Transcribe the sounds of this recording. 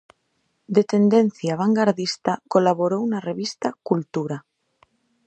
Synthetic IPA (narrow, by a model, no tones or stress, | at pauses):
d̪et̪e̞nd̪en̟θjaβ̞aŋɡaɾðist̪akolaβoɾounareβist̪akult̪uɾa